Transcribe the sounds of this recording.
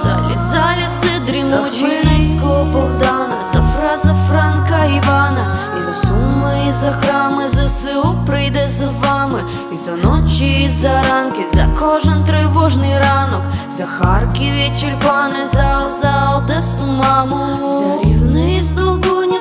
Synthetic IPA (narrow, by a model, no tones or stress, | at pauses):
za̰lɪ̰zalʲɪsɨd̪ɾʲɪmonɨskɔpɔvd̪anɐzɐfɾazɐfraŋkɐivanɐizɐsumːɨizɐxɾamɨzɐsɨpɾɨjd̪ɛzɐvamɨ | izɐnot͡ɕɪzɐɾankʲɪzɐ̰koʐənt̪ɾɪvoʐnɨjɾanɔkzɐxarkʲivʲet͡ɕɪlʲpanɨzalzalˠd̪ɛsmamʊ | nɨizd̪olˠɡonʲ